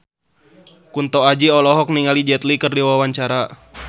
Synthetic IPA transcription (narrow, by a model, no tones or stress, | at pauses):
kunt̪ɔad͡ʒiɔlɔɦɔk̚niŋalid͡ʒɛt̪likərdiwawaɲt͡ʃaɾa